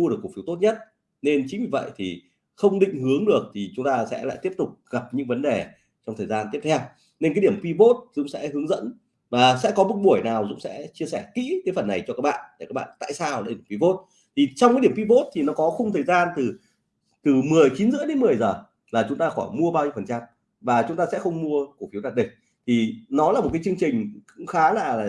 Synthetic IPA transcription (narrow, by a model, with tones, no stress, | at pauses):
mu˧ɗk̚ːkfi˨˦t̪o˦˥t̚ɲə˦˥t̚ | ne˧nt͡ɕï̟˨˦vi˧˩və̰˧˨jt̪ʰi˨˩ | xə˧wŋ͡mɗḭ̈˧˨ŋ̟hɨ˨˦əŋɗɨ˨˩ək̚t̪ʰi˨˩t͡ɕʊ˨˦ŋ͡mt̪aː˧sɛ̰˧˥la̰ː˧˨jt̪i˦˥əp̚t̪ʊ˨˩k͡p̚ɣa˨˩p̚ɲɨ̰˧˥ŋvə˨˦nɗe˨˩ | t͡ɕɔ˧wŋ͡mt̪ʰəː˨˩jzaː˧nt̪i˦˥əp̚t̪ʰɛ˧w | ne˧nkːa˨˦ɗi˧˩əmkwi˧po˦˥t̚zʊ̰˧˥ŋ͡msɛ̰˧˥ɦɨ˨˦əŋzə̰˧˥n | vaː˨˩sɛ̰˧˥kɔ˨˦mʊ˨˩t̚ɓu˧˩əjnaː˨˩wzʊ̰˧˥ŋ͡msɛ̰˧˥t͡ɕi˧əsɛ˧˩kḭ˧˥kaː˨˦jfə˨˩nːa˨˩jt͡ɕɔ˧kaː˦˥k̚ɓa̰ː˧˨nɗe˧˩kaː˦˥k̚ɓa̰ː˧˨nt̪a̰ː˧˨jsaː˧waː˨˩˧wi˧vo˦˥t̚ | t̪ʰi˨˩t͡ɕɔ˧wŋ͡mkːɗi˧˩əmkwi˧po˦˥t̚t̪ʰi˨˩nɔ˨˦kɔ˨˦xə˧ŋ͡mt̪ʰəː˨˩jzaː˧nt̪ɨ˨˩ | t̪ɨ˨˩mɨ˨˩əjt͡ɕi˨˦nzɨ̰˧˥ɗe˨˦nmɨ˨˩əjzəː˨˩ | laː˨˩t͡ɕʊ˨˦ŋ͡mt̪aː˧xɔ˧˩jmu˧əɓaː˧wɲi˧˦fə˨˩nt͡ɕa˧m | vaː˨˩t͡ɕʊ˨˦ŋ͡mt̪aː˧sɛ̰˧˥xə˧wŋ͡mmu˧əku˧˩kfi˨˦wɗaː˨˧˩ɗï˨˩ŋ̟̚ | t̪ʰi˨˩nɔ˨˦laː˨˩mo˨˩t̚kːa˨˦t͡ɕɨ˧ə˧ŋt͡ɕï˨˩ŋ̟kʊ̰˧˥ŋ͡mxaː˨˦laː˨˩laː˨˩